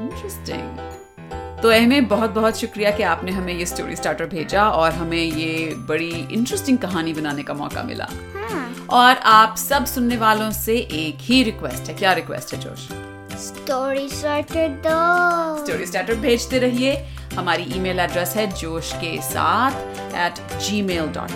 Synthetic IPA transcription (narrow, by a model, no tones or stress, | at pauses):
ɪ̃nʈɾɛsʈɪ̰̃ŋɡ | t̪oɛɦmẽbɐɦʊt̪̚bɐɦʊt̪ʃʊkɾijakiaːpneɦɐmẽjesʈo̰ːɾḭsʈaːɾʈəɾ̚bʱeːd͡ʒaɔːɾɦɐmẽjebɐɽiɪ̰̃ɳʈɾəsʈɪ̃ŋɡ̚kɐɦaːnibɐnaːnekamɔ̰ːka̰mɪ̰la̰ːha | ɔːɾʔaːpsɐbsʊnːeʋaːlõseʔeːkɦiɾɪkʋɛsʈɦɛkjaːɾɪkʋɛ̰sʈɦɛd͡ʒo̰ːʃ | s | ʈoːɾisʈaːɾʈəɾd̪oːsʈoːɾisʈaːɾʈəɾbʱeːd͡ʒt̪eɾɐɦie | hɐmaːɾiʔiːmeːlɐɖɾɛsɦɛd͡ʒoːʃkesa̰ːt̪ʰ | ɛːʈ | d͡ʒiːmeːlɖɔ̰ːʈ